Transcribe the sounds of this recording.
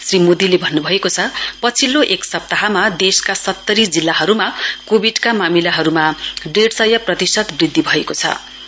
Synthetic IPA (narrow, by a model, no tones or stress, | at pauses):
srimod̪ilebʱʌnːubʱʌekot͡sʰʌpʌt͡sʰilːoʔeksʌp̚t̪aɦamad̪eskasʌt̪ːʌɾid͡zilːaɦʌɾumakobʱiɖkamamilaɦʌɾumaɖeɽsʌjʌprʌt̪isʌt̪brid̪ʱːibʱʌekot͡sʰʌ̰